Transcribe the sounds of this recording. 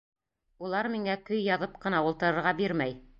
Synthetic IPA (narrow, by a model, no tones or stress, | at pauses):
ulˠɑɾmiŋækɵjːɑðɤp̚qɤ̆nɑulˠt̪ɤ̆ɾɤ̆ɾʁɑbiɾmæj